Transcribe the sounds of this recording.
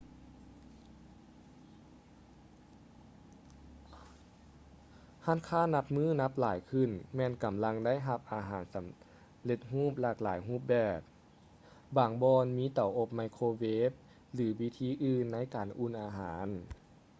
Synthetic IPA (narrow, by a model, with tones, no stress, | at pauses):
ha˧˥˨nkʰaː˥˨nːa˧p̚mɯː˥˩na˧˥p̚laː˨˩˦jkʰɯ˧˩nmɛː˧˨nka˨˩mla˧ŋda˥˨jɦa˧p̚ʔaː˨˩ɦaː˩˦nsa˨˩˦m | le˧t̪̚ɦuː˥˩p̚laː˧˩k̚laː˨˦jɦuː˥˩p̚bɛː˨˩p̚ | baː˨˩ŋbɔː˧nmiː˧˥˨t̪a˨˦wʔo˧p̚ma˧jkʰoː˧weː˦˥p̚ | lɯː˨˩˦wi˧˥t̪ʰiː˧˥˨ʔɯː˧˨nːa˧˥˨jkaː˨nʔu˧˨nʔaː˨˧ɦaː˩˦n